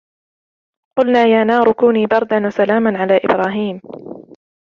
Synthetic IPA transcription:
qʊlnaːjaːnɑːɾˤʊkuːniːbɑɾˤd̪anwasalaːmanʕalaːʔɪ̰bɾɑːɦiːm

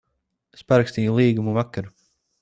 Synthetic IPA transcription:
spaɾakst̪iːjulˠiːɡumuvakːaɾu

